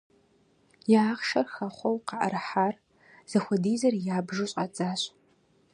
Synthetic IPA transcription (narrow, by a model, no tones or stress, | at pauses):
jaːχʃɐrxɐχʷɔwqɑʔa̰ɾħaːr | z̥ɐxʷɔdiːzɐrjaːbʒɨɕʼat͡sʼaːɕ